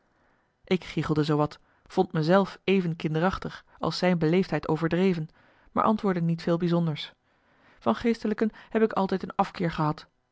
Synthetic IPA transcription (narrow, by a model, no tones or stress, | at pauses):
ʔɪkχiχəlˠdəzowʋɑt | fɔntməzɛlˠfejvənkɪndərɑχtəχ | ɑ̰lˠsɛjnbəlejftɦɛjtowvəɹdrejvən | ma̰ːɹʔɑ̰ntʋʊːɹdənitfeːlˠbizɔndəɹs | vɑnχejstələkənhɛpɪkɑlˠtɛjtənɑfkɪːɹχəɦɑt